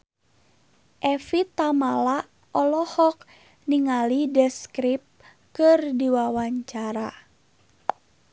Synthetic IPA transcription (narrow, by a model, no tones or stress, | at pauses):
ʔɛfit̪amala | ʔɔlɔhɔk̚ | niŋalidɛskɾip̚ | kɨrdiwawaɲt͡ʃaɾa